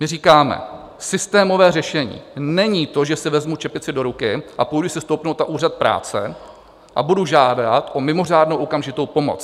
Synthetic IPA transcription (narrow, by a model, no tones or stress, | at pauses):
mɪriːkaːmɛ̰ | sɪst̪ɛːmo̞vɛːrɛʃɛɲḭːnɛɲiːt̪o̞ʒɛsɪvɛzmut͡ʃɛpɪt͡sɪdo̞ɾukɪʔapojduʊsɪst̪o̞wpnowt̪naʔuːrat̪̚pɾa̰ːt͡sɛ | ʔabuduʒaːdat̪ʔo̞mɪmo̞r̝aːdnowʔo̞kamʒɪt̪o̞wpo̞mo̞̰t͡s